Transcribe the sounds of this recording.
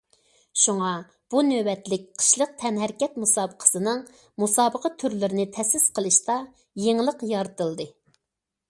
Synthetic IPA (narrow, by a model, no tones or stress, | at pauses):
ʃuŋɑ | b̥unøbɛt̪lɪk̚ʲqʰə̥ʃlˠəq̚t̪ʰɛnɦæɾkʲɛt̪musɑːbəqʰə̥sɨnɨŋ | musɑːbəqʰɑt̪ʰyɾlyɾɪnɪt̪ʰɛsɪsqʰəlˠɨʃt̪ɑ | jeŋlˠəqjɑɾɨt̪ɨlˠd̪ɨ